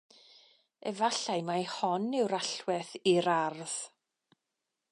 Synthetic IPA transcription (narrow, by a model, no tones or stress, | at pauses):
ɛvaɬajmajhɔnɪwɾaɬwɛθiɾarð̥